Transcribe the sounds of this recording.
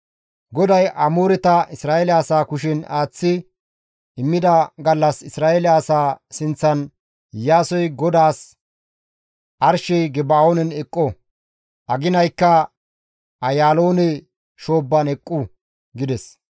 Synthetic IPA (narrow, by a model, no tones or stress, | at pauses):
ɡɔd̪ɐjʔɐmoːɾɛt̪ɐɪsɾaːɛlɪaːsaːkʊʃ̬ɪnaːt͡sːɪ | ɪmːɪd̪ɐɡɐlːɐsɪsɾaːelaːsaːsɪnt͡sːɐn | jaːsɔjɡɔd̪aːs | ʔɐɾʃɛjɡɛbaːoːnɛnɛkʼːɔ | ʔɐɡɪnɐjkːɐ | ɐjaːlo̞ːnɛ | ʃo̞ːbːɐnɛkʼːʊ | ɡɪd̪ɛs